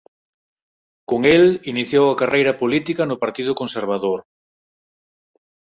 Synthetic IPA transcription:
koŋeliniθjowɐkarejɾɐpolit̪ikɐnʊpaɾt̪iðʊkonseɾβ̞aðoɾ

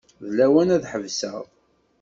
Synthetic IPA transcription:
ðlæwænæðħəvsə̰ʁˤ

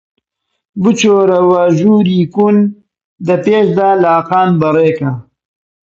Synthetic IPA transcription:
bɨt͡ʃoːɾɐwaːʒuːɾiːkun | d̪ɐpeːʃd̪aːlaaːqaːnbɐɾeːkɐ

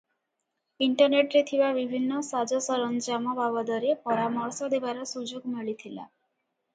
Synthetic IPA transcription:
iɳʈɔɾneʈɾet̪ʰibabibʱinːɔsad͡ʒɔsɔɾɔnd͡ʒamɔbabɔd̪ɔɾepɔɾamɔɾsɔd̪ebaɾɔsud͡ʒoɡmiɭit̪ʰila̰

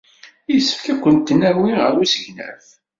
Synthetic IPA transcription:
jəsːə̥fkækʷːənt̪ːənːæwiʁəɾusəʝnæ̰f

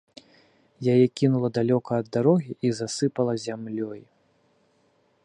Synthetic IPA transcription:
jajɛkʲinulˠɐd̪alʲɔkɐːd̪ːaɾɔɣʲiʔizasɨpɐlˠɐzʲamlʲɔj

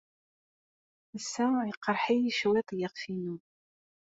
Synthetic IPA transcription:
əsːæjəqːəɾˤħijiʃwit̪ˤjiʁfinu

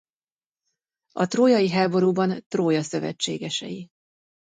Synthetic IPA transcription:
ɒt̪roːjɒjiɦaːbo̞ɾuːbɒnt̪roːjɒsøvɛ̰t͡ʃːḛːɡɛʃɛ̰ji

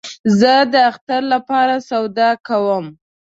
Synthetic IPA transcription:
zəd̪əaxt̪aɾlapɑɾasawd̪ɑkawəm

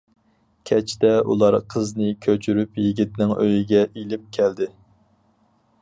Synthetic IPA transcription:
kʲʰɛt͡ʃʰd̪ɛṵlˠɑɾqʰəznɨkʲʰøt͡ʃʰyɾypjiɡʲit̪nɪŋʔø̰jiɡʲɛʔilɪp̚kʲʰæld̪ɪ

